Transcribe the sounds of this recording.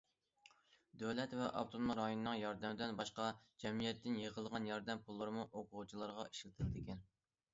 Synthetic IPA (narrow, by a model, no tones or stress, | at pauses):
d̪øwlɛt̪vɛʔɑ̰ft̪ʰonmɑɾɑjonɨnɨŋjɑɾd̪ɛmɪd̪ɪnbɑʃqɑd͡ʒɛmijɛt̪ʰːɪnjəʁəlˠʁɑnjɑɾd̪ɛmpʰulˠːɨɾɨmuʔoqʰʊʁut͡ʃʰilˠɑɾʁɑi̥ʃlɪt̪ʰɪld̪ɪkʲɛn